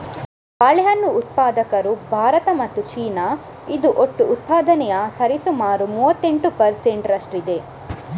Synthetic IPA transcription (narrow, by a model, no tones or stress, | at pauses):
baːɭɐjɐnːuːt̪̚paːd̪ɐkɐɾubʱaːɾɐt̪ɐmɐt̪ːut͡ʃiːnɐ | id̪uʔoʈːuːt̪̚paːd̪ɐnɛjɐsɐɾisumaːɾumuːʋɐt̪ːeɳʈupɐɾse̞ɳʈɾɐʂʈɾid̪e̞